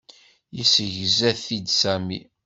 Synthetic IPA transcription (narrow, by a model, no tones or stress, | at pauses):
jisəʝzæθid̪sæmḭ